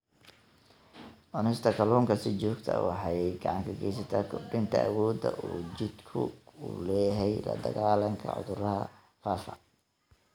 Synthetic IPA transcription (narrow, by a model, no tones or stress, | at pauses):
ʔɔnɛst̪ʰɐkʰɐlɔːŋkʰɐsɪt͡ʃɔːɡt̪ʰɐ̰wɑħɑɡɑʕɑŋkʰɐɡɛjsɐt̪ʰaːkʰʊɖɪnt̪ʰɐʔɐwɔːd̪ɐʔuːt͡ʃɪd̪kʰʊ̰ʊlɛːɦɛjlɐ̰d̪ɐɣaːlɐŋkʰɐ̰ʕʊ̰ðʊɾɐɦɐ | faːfɐ̰